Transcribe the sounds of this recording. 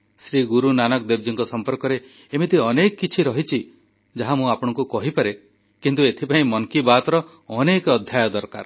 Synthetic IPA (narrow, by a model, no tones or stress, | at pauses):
sɾiɡuɾunanɔkd̪eb̚d͡ʒiŋkɔsɔmpɔɾkɔɾeː | mit̪iɔnekɔkːit͡ʃʰiɾɔɦit͡ʃʰi | d͡ʒaɦamũapɔɽ̃ɔ̃ŋkukɔɦipaɾe | kint̪uet̪ʰipaĩmɔŋkibat̪ɾɔ | ɔnekɔd̪ʱjajɔd̪ɔɾka̰ɾ